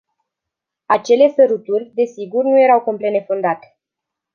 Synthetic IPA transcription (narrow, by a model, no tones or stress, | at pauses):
at͡ʃe̞le̞səɾut̪urʲd̪e̞siɡurnuje̞ɾawkomplenefond̪at̪e̥